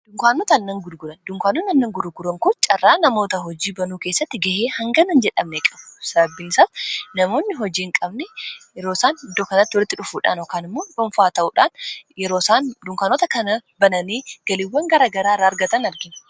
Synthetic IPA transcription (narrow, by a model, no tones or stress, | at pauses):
d̪̥ʊŋkaːnːoːt̪ɐnːɐŋɡʊd̪ɡʊlɐnd̪ʊŋkʷaːnːonɐnːɐŋɡʊɾʊɡʊɾɐŋkʊt͡ʃʼɐrːaːnɐmo̞ːt̪ɐɦɔd͡ʒiːbɐnuːke̞ːsːɐt̪ːɪɡɐheːhɐŋɡɐnɐnd͡ʒɛᶑɐmnɛkʼɐbsɐbɐbːɪnɪsɐfnɐmo̞ːnːɪɦɔd͡ʒiːɪŋkʼɐbnɛjɛɾoːsaːnɪd̪ːoːkɐnɐt̪ːɪwɔlɪt̪ːɪᶑʊfuːᶑa̰ːnɔkaːnɪmːoːᶑʊɱfaːt̪ɐʔuːᶑaːnjɛɾoːsaːnd̪ʊŋkaːnoːt̪ɐkɐnɐbɐnɐniːɡ̥ɐlɪwːɐŋɡɐɾaːɡɐɾaːrːaːɐɾɡɐt̪ɐnɐɾɡɪn